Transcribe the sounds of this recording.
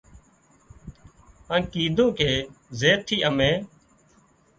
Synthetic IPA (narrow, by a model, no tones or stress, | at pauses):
ãːkiːd̪ʱõːkeːzeːt̪ʰːiːʔəmẽː